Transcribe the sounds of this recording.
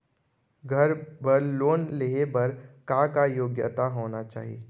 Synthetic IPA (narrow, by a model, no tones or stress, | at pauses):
ɡʱɐɾbəɾloːnleebɐɾkakajoːɡjə̰t̪aɦoːnat͡ʃa̰ːɦiḛː